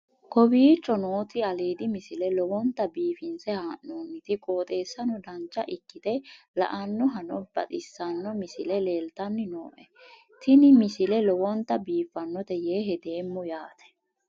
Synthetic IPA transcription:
kɔbiːt͡ʃːɔnoːt̪ɪɐleːd̪ɪmɪsɪlɛlɔwɔnt̪ːɐbiːfɪnsɛhaːʔnoːnːɪt̪ɪkʼoːt̪ʼe̞ːsːɐnɔd̪ɐnt͡ʃːɐʔɪkːɪt̪ɛ | lɐ̰ʔɐnːɔɦɐnɔb̥ɐ̰t̪ʼɪsːɐnːɔmɪsɪlɛle̞ːlt̪ɐnːɪnoːʔɛ | t̪ɪnɪmɪsɪlɛlɔwɔnt̪ːɐbiːfːɐnːɔt̪ɛjeːɦɛd̪eːmːʊjaːt̪ʰɛ̥

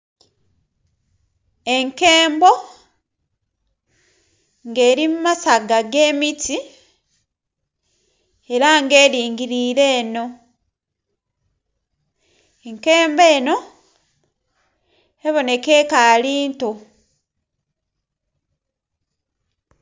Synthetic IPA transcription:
e̞ŋkeːmbo̞ | ŋɡe̞ːɾimumasaɡaɡe̞ːmiti | e̞ɾaŋɡe̞ːɾiːŋɡiɾiːɾe̞ːno̞ | eŋkeːmbe̞ːno̞ | eβo̞ne̞ke̞kaːliːnto

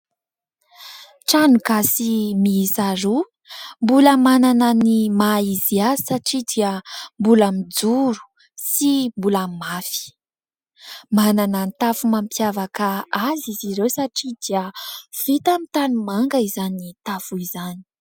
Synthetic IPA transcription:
ʈ͡ʂanukasimisaɾu | mbuləmananənimaiziaisaʈ͡ʂid̪iəmbulamid͡zuɾu̥ | simbulamafi̥ | mananənit̪afumampjavakaaziziɾewsaʈ͡ʂid̪iəv̥it̪amit̪anumaŋɡaizanit̪afuizani̥

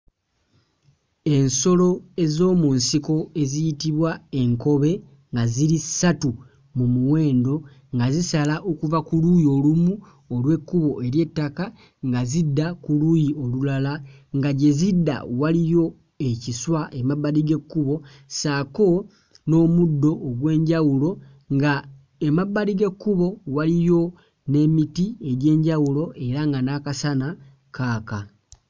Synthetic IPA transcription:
e̞nso̞lo̞e̞zo̞ːmunsiko̞e̞zijitiβwae̞ŋko̞βe̞ | ŋɡaziɾisatu | mumuwe̞ːndo̞ | ŋɡazisalaʔo̞kuvakulujo̞lumu | olwe̞kːuβo̞ʔe̞ɾje̞tːaka | ŋɡazidːakulujio̞lulalaŋɡaɟe̞zidːa̰walijo̞ | e̞ciswaʔemaβːaɾiɡe̞kːuβo̞ | saːko̞ | no̞ːmudːo̞ːɡwe̞ːɲɟawulo̞ | ŋɡa | emaβːaliɡe̞kːuβo̞walijo̞ | ne̞mitie̞ɟe̞ːɲɟawulo̞ʔe̞ɾaŋɡanakasana | kaːka

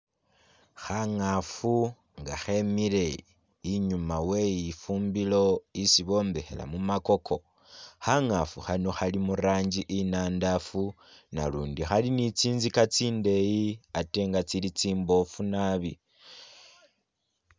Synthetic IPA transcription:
xaŋafu | ŋɡa̰xe̞mile̞ | iɲumawe̞jifuːmbilo̞isiβo̞ːmbe̞xe̞̰la̰mumako̞kʰo̞ | xaŋafuxano̞xalimuraːɲd͡ʒiʔinaːndafu | na̰luːndixalinit͡siːnzikat͡siːnde̞jiate̞ŋɡat͡silit͡siːmbo̞funaβi

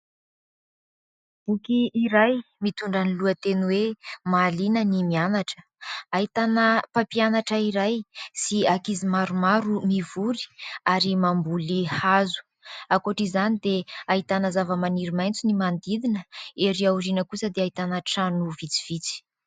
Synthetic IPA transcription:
b̥ukiːɾajmit̪uɳɖ͡ʐaniluət̪enuwemalinənimianaʈ͡ʂə̥ | aɦit̪anəpapianaʈ͡ʂəiɾajsiakizimaɾumaɾumivuɾi̥aɾimambulihazu̥ | akoʈ͡ʂizanid̪eaɦit̪anəzavəmaniɾimajnt͡sunimand̪id̪inəeɾiawrinəkusəd̪eaɦit̪anaʈ͡ʂanuvit͡si̥v̥it͡si̥

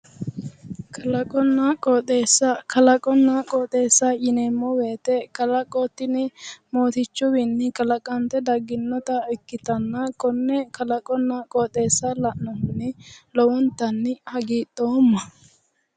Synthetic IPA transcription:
kʰɐlɐkʼɔnːakʼɔːt̪ʼe̞ːsːɐkʰɐlɐkʼɔnːakʼɔt̪ʼe̞ːsːɐjɪnemːɔweːt̪ɛkɐlɐkʼɔt̪ːɪnɪmoːt̪ɪt͡ʃːʊwɪnːɪkɐlɐkʼɐnt̪ɛd̪ɐɡɪnːɔt̪ɐɛkːɪt̪ɐnːɐkɔnːɛkɐlɐkʼɔnːɐkʼɔːt̪ʼeːsːɐlɐʔnɔmʊnːɪlɔwɔnt̪ːɐnːɪhɐɡiːt̪ʼːoːmːɐ

